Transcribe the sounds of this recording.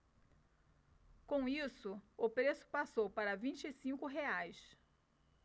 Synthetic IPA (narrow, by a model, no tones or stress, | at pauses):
kõw̃isʊʊpɾesʊ̥pasowpaɾɐvĩnt͡ʃɪɪsĩŋkʊɦeajs